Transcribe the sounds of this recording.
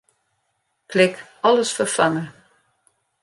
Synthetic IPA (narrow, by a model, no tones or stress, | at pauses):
kʰlɪkɔləsfərfaŋə